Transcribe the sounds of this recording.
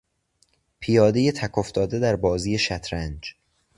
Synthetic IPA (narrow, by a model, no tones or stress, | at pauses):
pʰijɒːd̪e̞jet̪ʰækʰo̞ft̪ɒːd̪e̞d̪æɾbɒːziːje̞ʃæt̪ʰɾænd͡ʒ